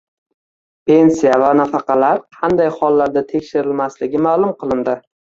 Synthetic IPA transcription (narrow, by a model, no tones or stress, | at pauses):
pʰe̞nsijavanafɑqʰɑlaɾqʰɑnd̪ajχɒlˠːaɾd̪at̪ʰe̞kʲʃɪɾɪlmaslɪɡʲɪmaːlˠʊmqʰɨlˠɪnd̪ɪ